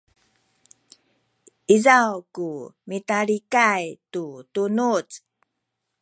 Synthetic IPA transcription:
izawkumitaɾikajtutunut͡s

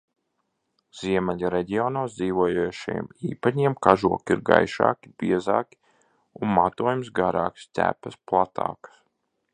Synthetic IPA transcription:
z̥iɛmɛlaɾɛɟiɔːnoːsd̪ziːvuɔjojɛʃɛjɛ̰mḭːpaɲiɛmkaʒuɔkʲiɾɡa̰jʃa̰ːkʲi̥biɛzaːkʲi̥ | unmat̪uɔjumsɡaɾaːkst̪ʲæ̰pɛsplˠat̪ʰa̰ːkḁs

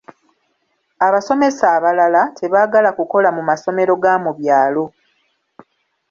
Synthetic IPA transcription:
aβaso̞me̞saːβalalatʰe̞βaːɡalakuko̞lamumaso̞me̞ɾo̞ɡaːmuβjaːlo̞

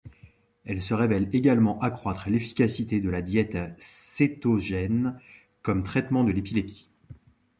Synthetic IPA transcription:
ɛlsəʁevɛleɡalmɑ̃ʔakχwat̪χlefi̥kʲasit̪ed̪əlad̪jɛt̪set̪oʒɛn | kɔmt̪χɛt̪mɑ̃d̪əlepilɛpsi̥

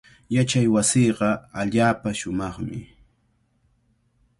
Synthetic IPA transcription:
jat͡ʃajwasiːɢɑaʎaːpaʃʊmɑχmɪ

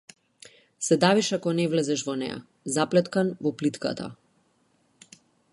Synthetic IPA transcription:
sɛd̪aviʃakɔnɛvlɛzɛʃvɔnɛ̰ja̰ | zaplɛt̪kanvɔplit̪ka̰t̪ʰa̰

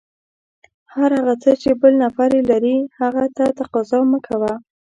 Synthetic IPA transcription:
haɾhaɣat͡sət͡ʃebəlnafaɾelaɾihaɣat̪at̪aqɑzɑməkʰawa

